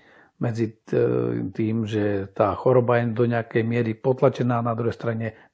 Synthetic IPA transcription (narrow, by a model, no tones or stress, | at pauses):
mɛd͡zi | t̪iːmʒɛt̪aːxɔɾɔbajɛd̪ɔɲɛakɛjmɪɛɾipɔt̪lat͡ʃɛnaːnad̪ɾuɦɛjst̪ɾaɲɛ